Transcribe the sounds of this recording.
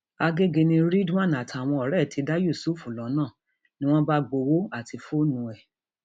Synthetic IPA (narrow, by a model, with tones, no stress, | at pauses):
a˧ɡe˦ɡe˧nĩ˧ɾi˦dã˦˨na˨tʰa˨w̃ɔ̃˧ɔ˨ɾɛ˦˨tʰi˧˦da˦ju˦˨su˦˨fu˨lɔ̃˨˦nãː˦˨ | nĩ˦w̃ɔ̃˦ba˦ɡ͡bo˧wo˦a˦˨ti˧fo˦nũ˧ɛ˨